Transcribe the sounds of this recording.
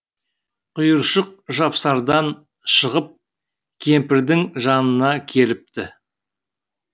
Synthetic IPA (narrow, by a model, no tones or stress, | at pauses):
qʰʊjəɾʃəq̚ʒɑpsɑɾd̪ɑn | ʃəʁəp̚ | kʲʰe̞mpɪɾd̪ɪŋʒɑnənɑkʲʰe̞lɪp̚t̪ɪ